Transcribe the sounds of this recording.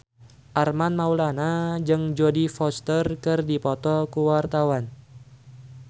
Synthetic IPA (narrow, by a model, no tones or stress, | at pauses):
ʔarmanmaulanad͡ʒɨŋd͡ʒodifɔst̪ərkɨrdipɔt̪ɔkuwart̪awan